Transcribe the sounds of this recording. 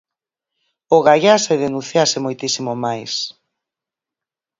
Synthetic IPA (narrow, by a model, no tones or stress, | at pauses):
oɣaʎaseðenũnθjasɪmojt̪isimomajs